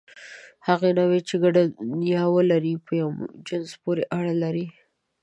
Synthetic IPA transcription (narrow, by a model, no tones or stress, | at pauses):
haɣenawet͡ʃeɡaɖanjɑwəlaɾipəjawd͡ʒɪnzpoɾeʔaɽalaɾi